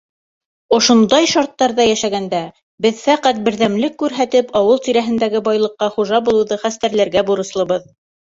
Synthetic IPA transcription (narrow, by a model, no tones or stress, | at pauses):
ŏʃund̪ɑjʃɑɾt̪ːɑɾðɑjæʃæɡænd̪æ | bɘðfæqæt̪̚bɘ̆ɾðæmlɘkːʉɾɦæt̪ɘpɑwɤlˠt̪iɾæɦɘ̆nd̪æɡɘbɑjlˠɤ̆qːɑχuʒɑbulˠɤ̆wðɤχæst̪æɾlæɾɡæbuɾɤ̆slˠɤ̆βɤð